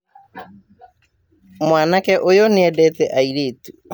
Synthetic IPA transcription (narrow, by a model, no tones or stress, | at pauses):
mwaːnakɛʔojoneɛdɛtɛʔaiɾeːtu